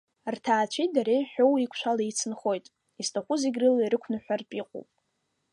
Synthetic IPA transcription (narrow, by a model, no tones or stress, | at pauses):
rtʰaːt͡ʃʷʰit̚daɾeħᶣowikʷʰʃʷʰalait͡sʰɨnχo̞jtʼ | istʰaχʷʊzeɡʲrɨliɾɨkʷʰnɨħʷᶣarpʼiqʼo̰wpʼ